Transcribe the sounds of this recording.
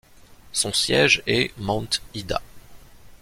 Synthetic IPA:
sɔ̃sjɛʒɛmɑ̃t̪id̪a̰

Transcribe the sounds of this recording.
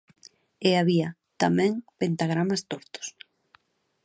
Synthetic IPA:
eaβia | t̪amɛ̃ŋpent̪aɣ̞ɾamast̪oɾt̪ʊ̥s

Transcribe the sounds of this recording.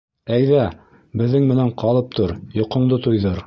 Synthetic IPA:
æjðæ | bɘ̆ðːɘŋmɘ̆næɴqɑlˠɤp̚t̪ʰoɾjŏqŏɴd̪ɤt̪ojðɤɾ

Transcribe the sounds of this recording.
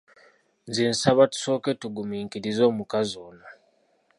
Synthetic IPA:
nzinsaβatu̥so̞ːke̞tuɡumiːŋkiɾizo̞ːmukazoːna

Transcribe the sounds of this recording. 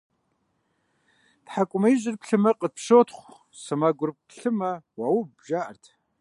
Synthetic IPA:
tħakʷʼʊmɐjiʑɪrpɬɨmɐqʼət̪̚pɕoːtʰχʷ | sɐmaɡʷʊrpʰɬɨmɐwaːwʊbʒaːʔɐrtʰ

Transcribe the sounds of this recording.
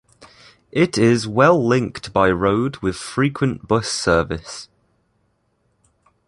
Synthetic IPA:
ʔɪtʰɪzwɛlˠlɪ̃ŋktb̥aɪɹoʊdwɪð̥fɹiˑkʰwə̃nb̥ʊsɜːvɪs

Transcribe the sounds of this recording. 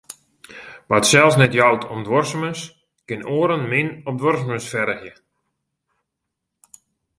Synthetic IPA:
ʋatsɛlˠsnɛtjawtʰɔmdʋɔrsəməs | kɪnoːɾənmɪnɔp̚dʋɔrsəməsfɛɾəxjə

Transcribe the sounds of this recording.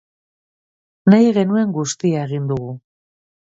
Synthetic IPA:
najɣe̞nue̞ŋɡust̪iae̞ɣ̞ind̪uɣu

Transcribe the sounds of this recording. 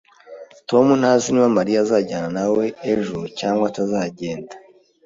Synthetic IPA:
to̞munhaːziniwamaɾijazaːɟaːnanawe̞ːʒucaːŋɡwatazaːɟe̞ːndḁ

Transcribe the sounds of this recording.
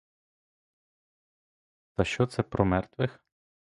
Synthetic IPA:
t̪ɐʃt͡ʃɔt̪sɛpɾʔɔmɛrt̪ʋɪx

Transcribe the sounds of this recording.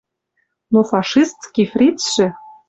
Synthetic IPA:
nofɑʃist̪kʲifrʲit̪ʃɘ̆

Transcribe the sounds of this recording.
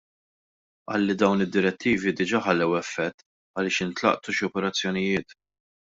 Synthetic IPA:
ʔɐ̰ːlːid̪ɐwnɪd̪ːɪɾɛt̪ːiːvid̪ɪd͡ʒɐħɐlːɛwɛfːɛt̪ː | ɐlɪːʃɪnt̪lɐ̰ʔt̪uʃɔpɛɾɐt͡sːjɔnɪjɪːt̪

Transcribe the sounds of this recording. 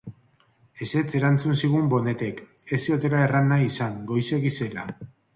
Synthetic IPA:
e̞se̞t͡se̞ɾant͡sunsiɣ̞umbo̞ne̞t̪e̞k | e̞sio̞t̪e̞lae̞ranːajisaŋɡo̞jse̞ɣise̞la̰

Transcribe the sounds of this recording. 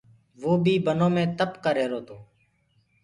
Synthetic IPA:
ʋoːbʱiːbənoːmẽːt̪əpkəɾeːɾoːt̪ʰoː

